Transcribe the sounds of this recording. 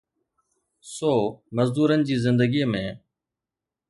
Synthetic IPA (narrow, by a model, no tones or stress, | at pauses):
soːməzd̪uːɾənɪ̆d͡ʑiːzɪnd̪əɡiːmẽː